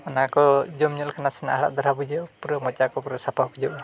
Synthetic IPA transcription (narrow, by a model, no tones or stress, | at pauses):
anakɔd͡ʒɔmɲɔlkʰanasana̰ɦaɭa̰ʔd̪ɔɾabud͡ʒɛwpuɾɔmɔt͡ʃakɔpuɾɔsapʰabud͡ʒɛwʔ